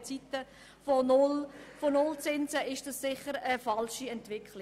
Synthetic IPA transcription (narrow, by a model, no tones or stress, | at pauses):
t͡sitə | fonʊlfonʊlt͡sɪnsəʔɪʃd̥ɑssɪχəɾəfɑlʃiɛntʋɪkχli